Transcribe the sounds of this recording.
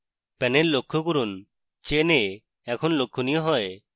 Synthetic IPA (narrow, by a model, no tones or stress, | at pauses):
pɛnellokʰːokuɾun | t͡ʃene | ɛkʰɔnlokʰːonijɔɦɔe